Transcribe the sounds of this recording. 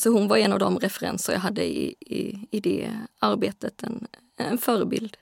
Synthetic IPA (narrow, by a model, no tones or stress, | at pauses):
sɔhʉnʋɑɾɛnɑʋd̪ɔmɾɛfəɾɛ̰nsəɾjæ̰ɪɦɑd̪ːəɪ̰ | ɪd̪ɛ̰ɑɾbeːt̪ət̪ʰɛn | ɛnføːɾəbɪ̰ld̪